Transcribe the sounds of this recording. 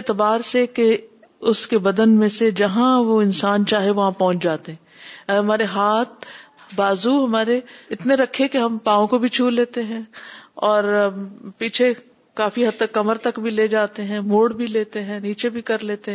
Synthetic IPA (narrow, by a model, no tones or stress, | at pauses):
et̪ɪbaːɾseke | ʊskebɐd̪ənmẽsed͡ʒɐɦãʋoɪnsaːnt͡ʃaːɦeʋɐɦãpɐ̃ɦʊ̃t͡ʃd͡ʒaːt̪eɦɛ̃ːɦɐmaːɾeɦaːt̪̚baːzuɦɐmaːɾeɪt̪neɾɐkʰːekeɦɐmpãːõkobʱit͡ʃʰuːlːeːt̪eɦɛ̃ɔːɾpiːt͡ʃʰe | kaːfiɦɐt̪ːəkːɐməɾt̪ɐkbʱileːd͡ʒaːt̪eɦɛ̃moːɽbʱileːt̪eɦɛ̃niːt͡ʃebʱikɐɾleːt̪eɦɛ̃